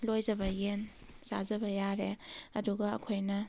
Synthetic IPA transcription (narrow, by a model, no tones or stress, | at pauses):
lojd͡ʒɐbɐjen | za̰zɐbɐjaɾeɐduɡɐɐ̰kʰojnɐ